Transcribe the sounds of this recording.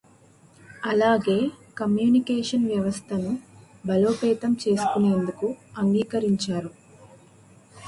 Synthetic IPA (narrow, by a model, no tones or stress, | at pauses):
ɐlaːɡe̞ːkɐmjuːnikeːʂɐnʋjɐʋɐst̪ʰɐnu | bɐlo̞ːpɛːt̪ɐmt͡ʃe̞ːsu̥kune̞ːnd̪ukuɐŋɡiːkɐɾiɲt͡ʃaːɾu